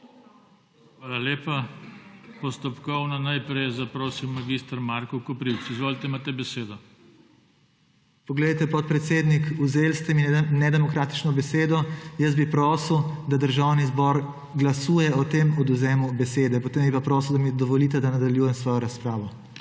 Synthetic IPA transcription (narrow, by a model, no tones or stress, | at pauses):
xʋaːlaleːpa | pɔst̪ɔpkɔwnanajpɾɛjzapɾoːsimːaɡist̪ɐɾmaɾkɔkɔpɾiwt͡sizʋoːlit̪ɛimaːt̪ɛbɛseːd̪ɔ | pɔɡled̪at̪ɛpɔt̪̚pɾɛt̪seːd̪nikuzeːlst̪ɛminɛd̪ɛmɔkɾaːt̪i̥t͡ʃnɔbɛseːd̪ɔjəzbipɾɔːswd̪ad̪əɾʒawnizbɔɾ | ɡlasuːjɛɔt̪emɔd̪uzɛːmubɛseːd̪ɛpɔt̪eːmbipapɾɔːswd̪amid̪ɔʋɔliːt̪ɛd̪anad̪aljuːjɛmsʋɔːjɔɾaspɾaːʋɔ